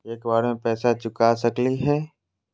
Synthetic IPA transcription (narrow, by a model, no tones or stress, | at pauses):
eːkbaːɾmẽpɛːsat͡ʃʊkasɐkliɦɛː